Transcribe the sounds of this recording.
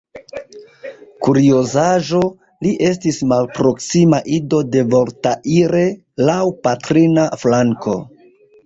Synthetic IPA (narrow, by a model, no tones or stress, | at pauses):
kuɾiozaʒo̞ | liʔe̞stismalpɾo̞ksimaʔido̞de̞vo̞ɾtaʔiɾe̞ | lawpatɾinaflaŋko̞̰